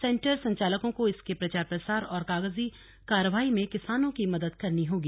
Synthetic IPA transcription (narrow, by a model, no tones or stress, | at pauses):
sɛ̃ːɳʈəɾsɐ̃ɲt͡ʃaːləkõkoɪskepɾɐt͡ʃaːɾpɾɐsaːɾɔːɾkaːɡəzi | kaːɾəʋaːimẽkɪsaːnõkimɐd̪əd̪kɐɾniɦoːɡiː